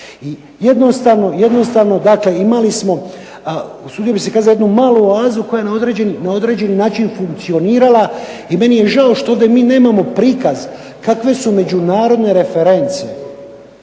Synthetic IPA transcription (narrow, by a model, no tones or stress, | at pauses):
i | je̞d̪nost̪aːʋno̞jed̪no̞st̪aːʋno̞d̪akle̞imalismo̞ | usuːd̪ijobise̞kaːzalojed̪numaːluaːzuko̞jajenao̞d̪ɾe̞ːd͡ʑe̞ninao̞d̪ɾe̞ːd͡ʑe̞ninaːt͡ʃinfuŋk̚t̪sio̞niːɾalaime̞nije̞ʒaoʃt̪ooːʋd̪emiːne̞ːmamo̞pɾiːkaz | kakʋe̞sume̞d͡ʑunaːɾo̞d̪ne̞ɾe̞feɾe̞nt̪sijḛ